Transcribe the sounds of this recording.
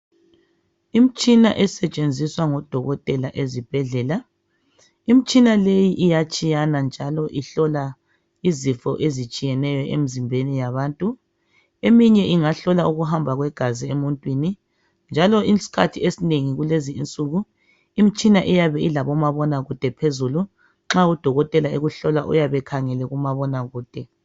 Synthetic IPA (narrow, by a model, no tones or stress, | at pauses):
im̩t͡ʃʼina̰ʔɛsɛt͡ʃʼend͡zʱiswaŋɔd̥ʱɔɣɔtʼɛlaʔezib̥ʱɛɮɛːla | im̩t͡ʃʼinalejiʔijat͡ʃʼijanand͡ʒʱalɔʔiɬɔla | izifɔ̰ʔezit͡ʃʼijɛnɛjɔʔḛm̩zimbʱenijaβaːntʼu | emiɲɛʔiŋaɬɔlauɣuɦambʱaɣwɛɡ̥ʱaziemuntʼwini | nd͡ʒʱalɔʔisi̥kʰatʰiesineŋiɣuleziːnt͡sʼuɣu | imit͡ʃʼinaʔijaβɛilaβɔmaβɔnaɣud̥ʱɛpʰezulu | ŋ͡ǁaud̥ʱɔɣɔtʼɛlaeɣuɬɔlaʔṵjaβɛkʰaŋɛlɛɣumaβɔnaɣuːd̥ʱɛ